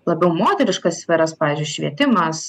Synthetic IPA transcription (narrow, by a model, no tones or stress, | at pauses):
lˠɐbʲɛʊmoːt̪ʲɛɾʲɪʃkɐssʲfʲɛɾɐspɑːʋʲiːzʲd͡ʒʲʊʃʲʋʲiɛt̪ʲɪmɐs